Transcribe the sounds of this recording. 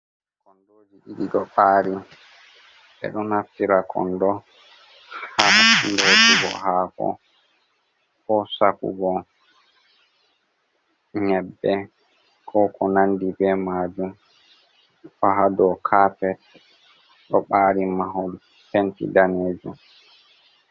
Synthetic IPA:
kɔndoːd͡ʒiɗiɗiɗɔɓaːɾi | ɓɛ̰ɗɔnhaftiɾakʰɔ̰ndɔ | handɔd͡ʒiɡɔ̰hakɔ̰ | kɔsakṵɡɔ | ɲɛbːɛ | kʰɔkʰɔnandibɛmaːd͡ʒum | ɗɔɦadɔkʰaːpɛt | ɗɔɓaːɾimaɦɔl | pentḭdaneːd͡ʒum

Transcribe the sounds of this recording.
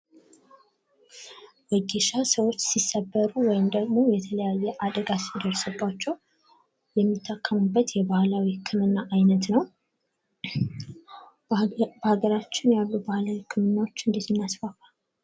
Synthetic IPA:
wəɡeʃasəwo̞t͡ʃːsisːəbːəɾuwɔjɪmd̪əɡmo̞jɛt̪ʰələjajːɛʔad̪əɡasid̪əɾsɨbːat͡ʃːɛw | jɛmːit̪ʰːakʰːəmubːət̪jɛbahlawiɨkʰːɨmɨnːaʔajnət̪nəw | bəhaɡəɾat͡ʃːɪnjalːubahlawikʰɨmɨnːawo̞t͡ʃːɨnd̪it̪ɨnːasfafal

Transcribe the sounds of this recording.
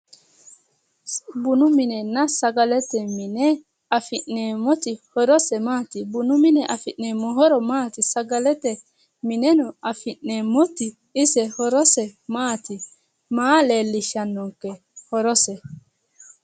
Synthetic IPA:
bʊnʊmɪnɛnɐsɐɡɐlɛt̪ɛmɪnɛ | ɐfɪʔneːmɔt̪ɪhɔɾɔsɛmaːt̪ɪbʊnʊmɪnɛʔɐfɪʔnemɔɦɔɾɔmaːt̪ɪsɐɡɐlɛt̪ɛ | mɪnɛnɔɐfɪʔːeːmɔt̪ɪ | ɪsɛhɔɾɔsɛmaːt̪ɪ | maːleːlːɪʃɐnːɔŋkːɛ | hɔɾɔsɛ

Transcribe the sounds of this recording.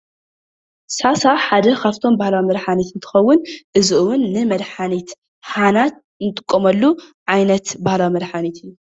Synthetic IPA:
sasaħad̪ɐkʰaβt̪ʰo̞mbahlawimɐd̪ħanit̪ɨnt̪ʰɨ̥xɐwːʊnʔɨzɨʔɨwʊnːɨmɐd̪ħanit̪ | ħanat̪̚ | nɨt̪ʼɨ̥kʼːomɐlːuʕajnɐt̪bahlawimɐd̪ħanit̪ʰɨjːu

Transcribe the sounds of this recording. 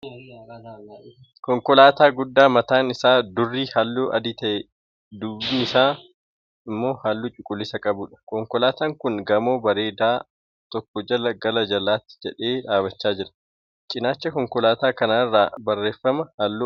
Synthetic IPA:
kɔŋkɔlaːt̪aːɡʊd̪ːaːmɐt̪aːnɪsaːd̪ʊrːiːhalːoːʔɐ̰d̪ɪt̪ɐʔɛ | d̪ubiːnɪsaː | ɪmːo̞ːhaːlːuːt͡ʃʼʊkʼːʊlːɪsɐkʼɐbʊᶑɐ̥kɔŋkɔlaːt̪aːŋkʊŋɡɐmo̞ːbɐɾe̞ːd̪aː | t̪ɔkːɔd͡ʒɐlɐɡɐlɐd͡ʒɐlːaːt̪ːɪ̥d͡ʒɛᶑeːᶑaːbɐt͡ʃːaːd͡ʒɪɾɐ̥ | t͡ʃʼɪnaːt͡ʃːɐkɔŋkɔlaːt̪aːkɐnaːrːaːbɐrːe̞ːfːɐmɐhalːuː

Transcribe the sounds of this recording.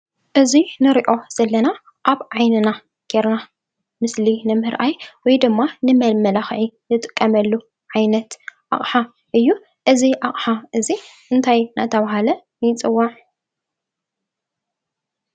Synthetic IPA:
ʔɨzinɨɾiʔo̞z̥ɐlːɐna | ʔaβʕajnɨna | ɡ̥eɾna | mɨslinɨmɨɾʔajwɔjd̪ɨmːanɨmɐlmɐlaxʕinɨt̪ʼɨkʼːɐmɐlːu | ʕajnɐt̪ʔa̰χʼħa | ʔɨjːu | ʔɨziʔaχʼħaʔɨziʔɨnt̪ʰajna̰t̪ʰɐβaɦalɐ | njɪt͡sʼɨwːaʕ

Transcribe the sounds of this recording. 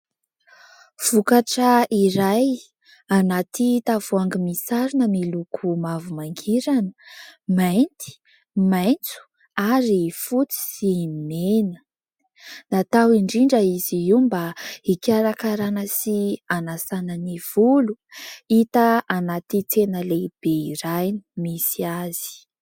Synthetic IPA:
v̥ukaʈ͡ʂəiɾaj | anat̪it̪av̥uaŋɡimisaɾunəmilukʰumavumaŋɡiɾanəmajnt̪i̥ | majnt͡su̥ | aɾifut͡si̥simenə | nat̪awiɳɖ͡ʐiɳɖ͡ʐəiziimbaikʲaɾakaɾanəsianasanəniv̥uluit̪əanat̪it͡senəleb̥eiɾajnimisiaz̥i̥

